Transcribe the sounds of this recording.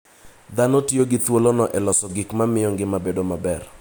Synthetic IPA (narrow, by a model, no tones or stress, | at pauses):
d̪anɔtjoɡɪt̪wolonɔʔɛlɔsɔɡɪkmamɪjɔŋɡɪmabedomabɛr